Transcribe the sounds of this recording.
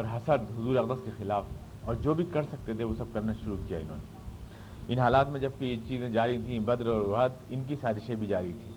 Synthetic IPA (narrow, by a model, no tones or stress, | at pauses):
ɔːɾɦɐsəɾd̪ɦʊzuːɾeɐqd̪əskexɪlaːf | ɔːɾd͡ʒoːbʱikɐɾsɐk̚t̪et̪ʰeʋosɐb̚kɐɾnaʃʊɾukija̰ɪnɦo̰ːne | ɪnɦaːlaːt̪mẽd͡ʒɐb̚kit͡ʃiːzẽd͡ʒaːɾiɦit̪ʰĩbɐd̪ɾɔːɾʋad̪ɪnk̬isaːɾiʃẽbʱid͡ʒaːɾəɦit̪ʰiː